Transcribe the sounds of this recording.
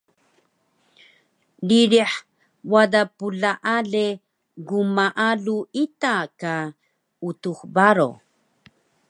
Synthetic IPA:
liɾiħ | wadapuɮaʔaɮe | ɡumaʔaɮuitaka | utuxbaɾo̰

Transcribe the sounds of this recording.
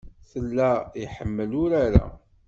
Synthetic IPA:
θəlːæiħəmːəlʊɾaɾa̰

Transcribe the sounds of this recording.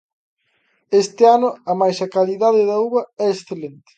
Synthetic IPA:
est̪ɪanʊɐmajsɐkaliðaðɪðɐuβɐɛesθelent̪ɪ̥

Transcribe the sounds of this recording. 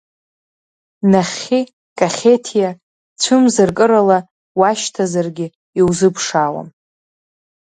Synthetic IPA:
naχʲi | kʼaχʲetʰija | t͡ɕʷʰɨmzɨrkʼɨɾala | waʃtʰazarɡʲɪ | iwzɨpʰʂawa̰m

